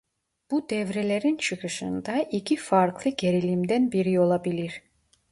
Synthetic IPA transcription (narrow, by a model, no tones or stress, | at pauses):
b̥ud̪evɾeleɾint͡ʃʰɯqɯʃɯ̰nd̪ɑʔikʰʲifɑɾklˠɯɡe̞ɾilimd̪ɛnbiɾio̞lˠɑbiliɾ